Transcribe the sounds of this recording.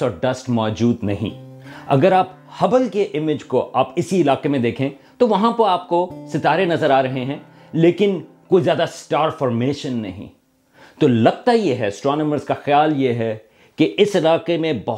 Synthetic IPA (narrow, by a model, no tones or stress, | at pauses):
ɔːɾɖɐsʈmɔːd͡ʒuːd̪nɐɦḭ̃ɐ̰ɡəɾaːp | hɐbəlkeʔɪmɪd͡ʒkoʔaːpɪsiɪlaːqemẽd̪eːkʰẽ | t̪oʋɐɦãpɐɾaːp̚kosɪt̪aːɾenɐzəɾaːɾɐɦeɦɛ̃ː | leːkɪn | koːizjaːd̪asʈaːɾfɔːɾmeːʃənːɐɦḭ̃ | t̪oːlɐɡt̪ajeɦɛɪsʈɾaːnəməɾzkaxjaːljeɦɛ | keʔɪsɪlaːqemẽbɐɦ